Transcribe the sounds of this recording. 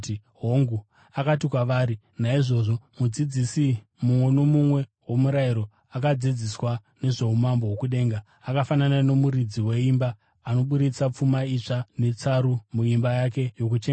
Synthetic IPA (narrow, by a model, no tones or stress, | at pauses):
iɦoŋɡu | akatikwaʋaːɾi | naiʐo̞ːʐo̞mud͡zid͡zisi | mumwe̞no̞mumwe̞wo̞muɾaiɾo̞ | akad͡zid͡ziswa | ne̞ʐe̞umambo̞wokuɗe̞ːŋɡaːkafananane̞muɾid͡ziwe̞imbaː | no̞ɓuɾit͡sap͡fumait͡ʂane̞t͡saɾumuimbajake̞jo̞k̬ut͡ʃeŋ